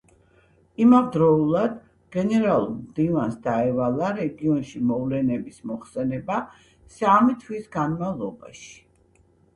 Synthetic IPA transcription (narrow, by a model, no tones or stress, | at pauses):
imavd̪ɾɔulˠad̪ | ɡ̥ɛnɛɾalˠuɾmd̪ivansd̪aɛvalˠaɾɛɡiɔnʃimɔvlɛnɛbismɔχsɛnɛba | samit̪ʰwisɡanmavlˠɔba̰ʃi̥